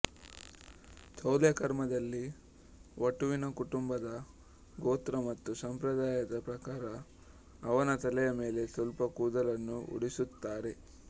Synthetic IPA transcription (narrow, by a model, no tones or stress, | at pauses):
t̪ʰɐwljɐkɐɾmɐd̪ɐlːi | ʋɐʈuʋinɐkuʈumbɐd̪ɐ | ɡoːt̪ɾɐmɐt̪ːusɐmpɾɐd̪aːjɐd̪ɐpɾɐkaːɾɐː | ʋɐnɐt̪ɐlɛjɐme̞ːle̞sɐlpɐkuːd̪ɐlɐnːuṵɽisut̪ːaːɾe̞